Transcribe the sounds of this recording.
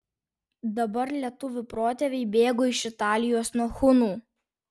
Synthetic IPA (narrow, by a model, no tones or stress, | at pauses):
d̪ɐbɐɾlʲiɛt̪ʊʋʲʊpɾoːt̪ʲɛʋʲɛɪbʲeːɡoːɪʃɪt̪ɑːlʲɪjoːsnuɔxʊnuː